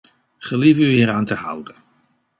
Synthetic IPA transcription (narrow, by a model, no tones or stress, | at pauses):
χəlivəyiːɾaːntəhʌ̰wdə